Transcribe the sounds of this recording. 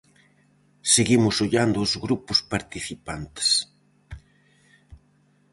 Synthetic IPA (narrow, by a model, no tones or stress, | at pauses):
seɣimʊsoʎand̪ʊːzɣɾupʊspaɾt̪iθipant̪e̥s